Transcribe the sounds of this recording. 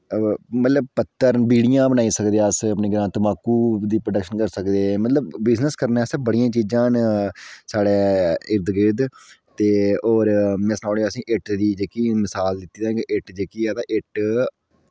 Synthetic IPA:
mət̪ləb̚pət̪ːəɾbiːɽɪjãːbənaːiːsəkd̪eaːəsəpniːɡəɾãːt̪əmaːkːuːd̪iːpɾəɖəkʃənkəɾsəkd̪eːmət̪ləbbɪznəskəɾnaːsəbbəɽijãːt͡ʃiːd͡ʒãːn | saːɽeːɪɾd̪ɡɪd̪t̪eːoːɾmɛ̃ːsənãːɽeəsĩːʔɪʈd̪iːd͡ʒeːkiːmɪsaːld̪ɪt̪ːiːd̪ãːkeʔɪʈd͡ʒeːkiːaːd̪aːʔɪʈ

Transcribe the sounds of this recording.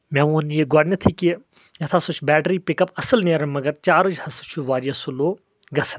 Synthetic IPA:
mʲɛ̃ːʋuːnjeɡaːɽnʲɐt̪ʰiki | jɐt̪ʰasut͡ʃʰbɛːʈɾiːpikɐpɐsɨlneːɾɐmɐɡɐɾt͡ʃaːɾɨd͡ʒhɐsɨt͡ʃʰuʋaːɾijɐsuloː | ɡɐsɐ̥n

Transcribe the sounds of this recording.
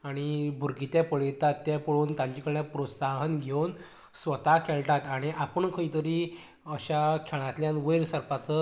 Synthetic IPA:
aɽ̃ibʱuɾɡit̪japəɭit̪at̪ːjapəɭuːnt̪ãɲt͡ɕikəɭɳjapɾosaɦənɡʱewn | sʋət̪akʰɛɭʈat̪aɽ̃iʔapəɳkʰəĩt̪əɾiː | əɕakʰeɭ̃ãt̪ljãnʋəjɾsəɾpat͡sə

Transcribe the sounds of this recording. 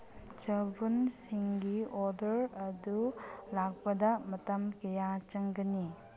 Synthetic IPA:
t͡ʃɐbunsiŋɡioɾdɐɾɐdulak̚pɐdɐmɐtɐmkɐjat͡ʃɐŋɡɐni

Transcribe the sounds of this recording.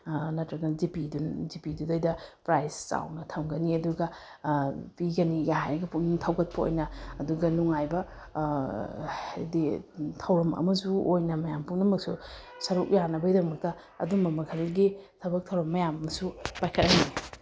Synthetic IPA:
nɐtɾɐɡɐdipidunzipidudɐjdɐpɾajst͡ʃa̰wnɐtʰɐmɡɐniɐduɡɐ | piɡɐniɡɐhajɾɐɡɐpuntʰɐwkʰɐt̚pʰɐo̰jnɐɐduɡɐnuŋajbɐ | ditʰɐwɾɐmɐ̰mɐsuojnɐmɐjampuŋnɐmɐk̚su | sɐɾuk̚janɐbɐidɐmɐk̚tɐ | ɐ̰dumbɐmɐkʰɐlɡitʰɐbɐk̚tʰɐwɾɐmmːɐjamɐmɐsupajkʰɐt̚ɐjni

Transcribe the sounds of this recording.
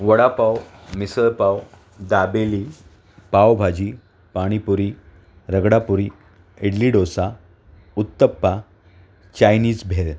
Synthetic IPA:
ʋəɽapawmisəlpaw | d̪abeli | pawbʱad͡ʑiː | paɽ̃ipuɾi | ɾəɡɽapuɾi | eɽliɖosa | ut̪ːəpːa | t͡ɕajniːd͡zbʱel

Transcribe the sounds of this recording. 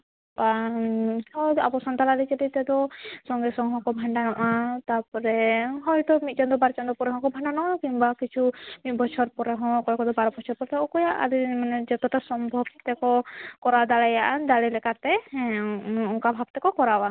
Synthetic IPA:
pa | ɔa̰bɔsɔnt̪alalit͡ʃɛlit̪ɛd̪ɔsɔŋɡɛsɔŋɦɔ̃kɔbʱaɳɖanɔʔat̪apɔɾɛɦɔjd̪ɔmit̪̚t͡ʃɔnd̪ɔbaɾt͡ʃɔnd̪ɔpɔɾɛɦɔ̃kɔbʱaɳɖanɔʔakiɲbakit͡ʃʰumit̪̚bɔt͡ʃʰɔɾpɔɾɛɦɔ̃kɔjakɔd̪ɔbaɾɔbɔt͡ʃʰɔɾpɔɾɛt̪ɛɔkɔjaʔa̰d̪imanɛd͡ʒɛt̪ɔʈasɔmbʱɔbt̪ɛkɔkɔɾad̪alajaʔad̪alɛlɛkat̪ɛ | ɔŋkabʱab̚t̪ɛkɔkɔɾawa

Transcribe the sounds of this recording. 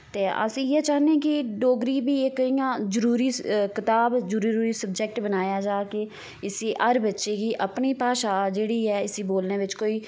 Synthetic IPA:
t̪eːʔə̰sĩːjeːt͡ʃaːɦnẽːkɪɖoːɡɾiːbiːekːəĩːjãːzəɾuːɾiːkɪt̪aːbzəɾuɾuːɾiːsəb̚d͡ʒɛk̚ʈbənaːjaːd͡ʒaːkeː | ɪsiːʔəɾbətːʃeːkiːʔəpniːpaːʃaːd͡ʒeːɽiːɦɛːɪsiːboːlneːʋɪt͡ʃkoːiː

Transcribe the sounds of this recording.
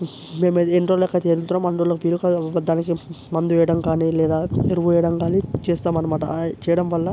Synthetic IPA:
meːmeenɾolekːɐt̪eːɾuɾt̪unaːmɐɳɾolɐkuʋiːlukad̪aːnikimɐnd̪uʋɛːjɐɽɐmkaːnilɛːd̪aːeɾɐʋuʋɛːjɐɽɐmkaːnit͡ʃeːst̪aːmːɐnɐmaːʈɐt͡ʃɛːjɐɽɐmʋɐlːɐ

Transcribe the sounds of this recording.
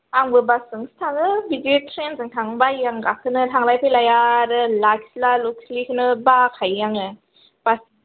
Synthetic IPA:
aŋbɯbasɯŋstʰaŋɯbizitʰɾenzɯŋtʰaŋbajaŋɡakʰɯnɯtʰaŋlajpʰɯjlajaɾɯlakslaluk̚slikʰɯnɯbakʰajːaŋɯ | b̥as

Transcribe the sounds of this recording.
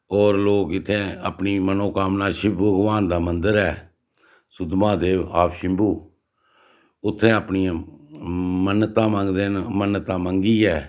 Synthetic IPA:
ɔːɾloːkɪt̪ʰːẽːəpniːmənõːkaːmnaːʃɪbbəɡʋaːnd̪aːmənd̪əɾɛː | sʊd̪mãːd̪eːʋaːpʃɪmbuː | ʊt̪ʰːẽːəpniːã | mənːt̪ãːmə̃ŋɡd̪eːnmənːət̪ãːmə̃ŋɡiːɛː

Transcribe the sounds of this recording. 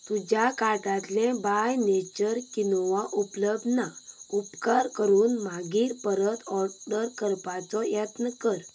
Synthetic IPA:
t̪ud͡ʑjakaʈat̪lɛ̃bajnet͡ɕəɾkinʋaʔupləbd̪naupkaɾkəɾuːnmaɡiːɾpəɾət̪ʰɔɾɖəɾkəɾpat͡sɔjət̪nəkəɾ

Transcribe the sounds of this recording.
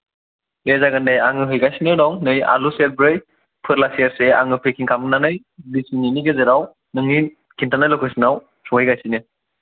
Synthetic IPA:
dezaɡandajaŋɯɦɯjɡajsinɯdɔŋnɯja̰luselbɾɯj | pʰɯɾlasijaɾsea̰ŋɯpʰekʰiŋkʰamɯnanɯj | disininiɡezeɾaw | nɯŋi | kʰintʰanajlɯkʰɯsinaw | sɔŋhɯjɡajsinɯ

